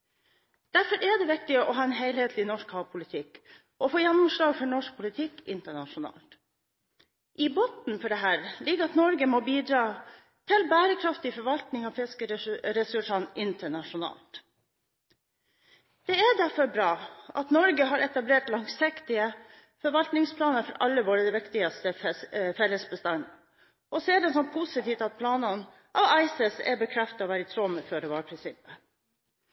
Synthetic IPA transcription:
d̪̥æɾfɔɾʔɛɖ̪ɛʋɪkt̪ɪʔɔɦɑːɛnɦeɪlheːt̪lɪnɔʂkhɑːpʰʊlɪt̪ʰɪk | ʔɔfoːjænːɔmʂlɑːɡfɔɳɔʂk̚pʰʊlɪt̪ʰɪkːɪ̰nt̪əɳɑʂʊnɑ̰ːlt̪ | ʔɪboːt̪n̩fɔɖɛɦæːɾlɪɡəɑt̪nɔɾɡəmoːbiːd̪ɾɑː | t̪ʰɪlbæːɾəkʰɾɑft̪ɪfɔɾʋɑlt̪nɪŋɑʋfɪskəɾɛsʉʂɑnɪnt̪əɳɑʃʊnɑ̰ːlt̪ | d̪̥ɛæɖ̪æɾfɔɾbɾɑːʔɑt̪nɔɾɡəɦɑːɾɛt̪ɑbleːʈlɑŋsɪkt̪ɪə | fɔɾʋɑlt̪nɪŋspʰlɑːnəɾfɔɾɑ̰lːəʋoːɾəd̪ɛʋɪkt̪ɪɡɑst̪əfɛlːəsbəst̪ɑnə | ʔɔseːd̪ənsɔmpʰʊsɪt̪ʰiːʋt̪ɑt̪̚pʰlɑːnɑn | ʔɑːʋɑɪsəsæ̰bəkʰɾɛft̪ɑɔːʋæːɾət̪ʰɾɔməfœɖɛʋɑːɾpʰɾɪnsɪpə

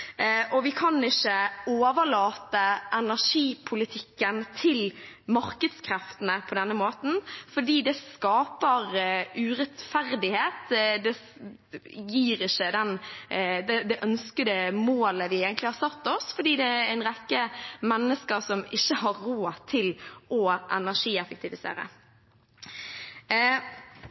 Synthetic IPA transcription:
ʔɔʋɪkʰɑnɪçːəoːʋəlɑːt̪əʔɛnæʂiːpʰʊlɪt̪ʰɪkːənt̪ʰɪlmɑɾkəd̪skʰɾɛft̪ənəpʰɔd̪ɛnːəmoːt̪n̩fɔɖiːd̪ɛskɑːpəɾʔʉɾɛt̪fæɾd̪ɪheːt̪d̪ɛ | jiːɾɪçːəd̪ɛnd̪ɛd̪ɛʔœnskəd̪ɛmoːləʋɪeːɡənt̪lɪhɑɾsɑt̪ːɔsfɔɖiːd̪ɛæɪnʁɛkːəmɛnːəskəɾsɔmɪçːəhɑɾɾoːt̪ʰɪlɔʔɛnæʂiːɛfək̚t̪ʰɪʋɪsḛːɾə̰

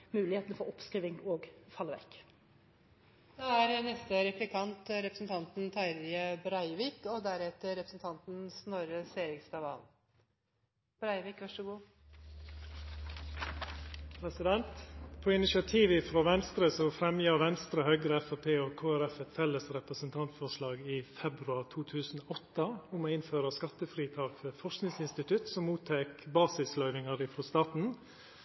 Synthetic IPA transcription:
mʉːlɪheːt̪ənfɔɾɔpskɾiːʋɪŋoːɡfɑləʋɛ̰kː | d̪̥ɛæɾnɛst̪əɾɛplɪkʰɑnt̪ɾɛpɾəsnt̪ʰɑnt̪n̩t̪ʰæɾɪəbɾɑɪʋiːkɔd̪æɾɛt̪əɾɛpɾəsn̩t̪ʰɑnt̪n̩snɔɾəseːɾɪkst̪ɑʋɑ̰l | b̥ɾɑɪʋɪːkʋæʂɔɡuː | pʰɾɛsɪd̪ɛnt̪pʰoːɪnɪʃɪɑt̪ʰiːʋɪfɾoːʋɛnst̪ɾəsɔfɾɛmjɑːʋɛnst̪ɾəhœʏɡɾəɛfæpʰeːoːkʰoːæɾɛfɛt̪fɛlːəsɾɛpɾəsənt̪ʰɑnt̪fɔʂlɑːɡiːfɛbɾʉɑɾt̪ʰuːt̪ʰʉːsn̩oːʔɔt̪əʊmoːɪnføːɾəskɑt̪əfɾiːt̪ʰɑːkfœɾfɔʂknɪŋsɪnst̪ɪt̪ʉt̪sɔmːuːt̪ʰeːkbɑːsɪslœʏʋɪŋəɾɪfɾoːst̪ɑːt̪n̩

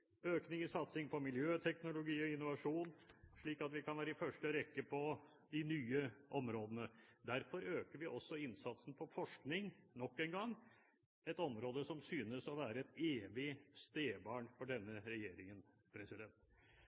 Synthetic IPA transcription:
øːknɪŋəsɑt̪sɪŋpɔmɪljøːt̪ʰɛknʊlʊɡiːɔɪnːʊʋɑʂuːnʂɭiːkɑt̪ʋɪkʰɑnʋæːɾəɪfœʂʈəɾɛkːəpʰɔ | d̪ɪnyːəʔɔmɾoːd̪ənəd̪æɾfɔɾøːkəɾʋɪʔɔsːɔɪnsɑt̪sn̩pʰɔfɔʂknɪŋnɔkːɛŋɡɑŋː | ɛt̪ɔmɾoːd̪əsɔmsyːnəsɔʋæːɾəɛt̪eːʋɪst̪eːbɑːɳfɔɖɛnːəɾɛjeːɾɪŋən | pʰɾɛsɪd̪ɛnt̪

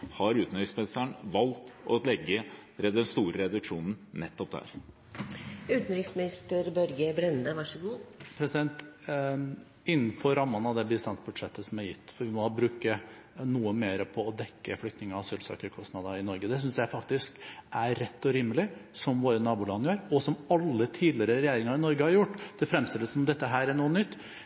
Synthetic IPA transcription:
hɑɾʉːt̪n̩ʏsmɛnst̪æɳʋɑlt̪ɔ̰lɛɡːəɾɛd̪ɛnst̪uːɾəɾɛd̪ʉkʂuːnn̩nɛt̪ːɔp̚d̪æ̰ɾ | ʉːt̪nɾɪŋsmɪnɪst̪əɾbœɾɡəbɾɛnd̪əʋɑʂəɡuːpʰɾɛsɪd̪ɛnt̪ | ɪnːn̩fɔɾɾɑmːɑnɑd̪ɛbɪst̪ɑnsbʉd̪ʂɛt̪ːəsɔmæɾjɪt̪ːfɔɾʋɪmɔbɾʉːkənuːəmeːɾəpʰɔːd̪ɛkːəflʏkt̪nɪŋəɑʋsyːlsɑ̰ːkəɾkʰɔstnɑd̪ɑɪnɔɾɡəd̪ɛs̬ʏnsjæɪfɑkt̪ɪskæːɛt̪ːɔɾiːmːəlɪsɔmʋoːɾənɑːbuːlɑnəjøːɾɔsɔmɑlːət̪ʰiːd̪lɪəɾəɾɛjeːɾɪŋɑɾɪnɔɾɡəhɑɾjʊʈːd̪̥ɛfɾɛmst̪ɪləsɔmmd̪ɛt̪ːəɦæːɾæɳuːənʏt̪ː

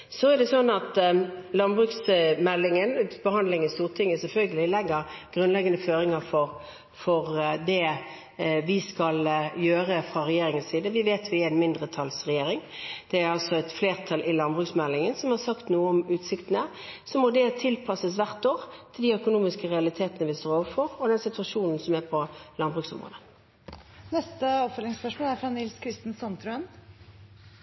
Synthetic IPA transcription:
sɔæd̪ɛsɔnːɑt̪lɑnbʁʉːksmɛlːɪŋənb̥əhɑnd̪lɪŋənst̪uːʁt̪ʰɪŋːəsɛlfœlɡəlɪlɛɡːəɾɡ̥ʁʉnlɛɡɑnəføːɾɪŋɑfɔɾ | fɔɾd̪ɛ | ʋɪskɑljøːɾəfʁɑʁɛjeːɾɪŋənsiːd̪əʋɪʋeːt̪ʰʋɪɪæɪnmɪnd̪ʁət̪ʰɑlsʁɛjeːɾɪŋd̪̥ɛæɾɑlsɔɛt̪fleːʁt̪ʰɑlʔɪlɑnbʁʉksmɛlːɪŋənsɔmhɑʁsɑkt̪nuːəɔmʉːt̪sɪkt̪ənə | sɔmɔd̪ɛt̪ʰɪlpʰɑsəsʋæʁt̪oːʁt̪ʰɪld̪iœkʊnuːmɪskəʁɛɑlɪt̪ʰeːt̪ənəʋɪst̪oːɾoːʋəɾfɔʁɔd̪ɛnsɪt̪ʋɑʂuːnn̩sɔmæpʰɔlɑnbʁʉːksɔ̰mʁo̰ːd̪ə | nɛst̪əɔpfœlɪŋspœʂmoːlæɾfɾɑnɪlskʰɾɪst̪n̩sɑnt̪ʰɾʉən

